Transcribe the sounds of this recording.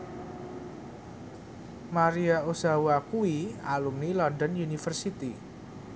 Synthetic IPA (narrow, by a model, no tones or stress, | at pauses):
maɾiaosawakuialumnilɔndɔnjunifərsit̪i